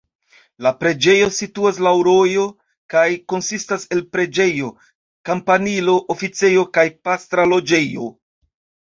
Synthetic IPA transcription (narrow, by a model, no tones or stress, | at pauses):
lapɾe̞d͡ʒe̞jo̞situas̬lawɾo̞jo̞ | kajko̞nsistase̞lpɾe̞d͡ʒe̞jo̞ | kampanilo̞ʔofit͡se̞jo̞kajpast̪ɾalo̞d͡ʒe̞jo̞